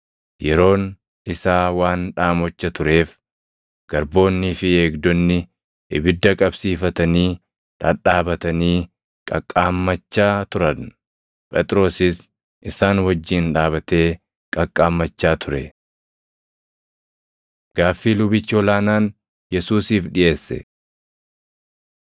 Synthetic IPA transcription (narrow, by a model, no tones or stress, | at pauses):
jɛɾo̞ːn | ɪsaːwaːnᶑaːmɔt͡ʃːɐt̪ʊɾe̞ːf | ɡ̥ɐɾbo̞ːnːɪfɪeːɡd̪ɔnːɪ | ʔɪbɪd̪ːɐkʼɐbsiːfɐt̪ɐniː | ᶑɐ̰ᶑaːbɐt̪ɐniː | kʼɐkʼːaːmːɐt͡ʃːaːt̪ʊɾɐn | pʼɛt̪ʼɾo̞ːsɪs | ʔɪsaːnwɐd͡ʒːiːnᶑaːβɐt̪e̞ː | kʼɐkʼːaːmːɐt͡ʃːaːt̪ʰʊɾɛ | ɡ̥aːfːiːlʊbɪt͡ʃːɪɔlaːnaːn | jɛsuːsiːfᶑɪʔe̞ːsːɛ̰